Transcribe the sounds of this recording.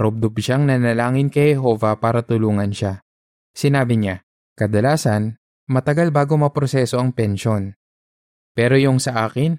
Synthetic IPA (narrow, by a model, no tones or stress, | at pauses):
ɾob̚d̪obʃaŋnɐnɐlaːŋɪnkɐjhɛɦo̞ːvɐpaːɾɐt̪ʊluːŋɐnʃa | sɪnaːbɪɲa | kɐd̪ɐlaːsɐn | mɐt̪ɐɡalbaːɡo̞mɐpɾosɛːso̞ɐŋpɛnʃo̞n | pɛːɾo̞jʊŋsɐʔaːkɪn